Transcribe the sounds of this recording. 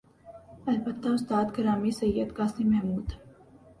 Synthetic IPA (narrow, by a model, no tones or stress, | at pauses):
ɑlpət̪ːɑsd̪ɑt̪ɡəɾɑmisəjɛt̪kɑsnimɛmut̪ʰə